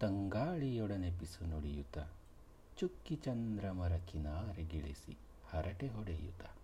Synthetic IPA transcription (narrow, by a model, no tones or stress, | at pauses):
t̪ɐŋɡaːɭijoɽɐnepisunoɽijut̪a | t͡ʃukːit͡ʃɐnd̪ɾɐmɐɾɐkinaːɾeɡiɭisḭ | hɐɾɐʈeɦoɽejṵt̪a